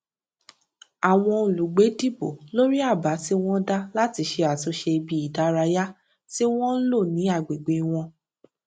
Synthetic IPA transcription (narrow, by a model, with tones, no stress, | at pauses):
a˨w̃ɔ̃˧o˨lu˨ɡ͡be˨˦di˦˨bo̰˨lo˦ɾi˦a˦˨ba˨˦ti˦w̃ɔ̃˦da˦la˦ti˧˦ʃe˧a˨to˧˦ʃe˧i˧bi˧˦i˨da˨˦ɾa˧ja˦ | ti˦w̃ɔ̃˦n̩˦lo˦˨nĩ˨˦a˦˨ɡ͡be˨ɡ͡be˨˧w̃ɔ̃˧